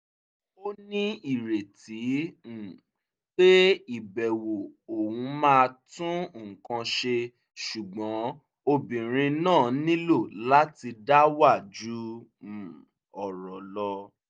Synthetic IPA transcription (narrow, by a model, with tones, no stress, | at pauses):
o˦nĩ˦i˦˨ɾe˨ti˨˦˨ | k͡pe˦i˦˨bɛ˨wo˨o˨wũ˨˦mãː˦˧tũ˦˨kã˧ʃe˧ | ʃu˨ɡ͡bɔ̃˨˦ | o˧bĩ˨ɾ̃ĩ˧nãː˦˨nĩ˦lo˦˨la˦ti˧da˦wa˦˨d͡ʒu˨˦˨ | ɔ˨ɾɔ˨lɔ˧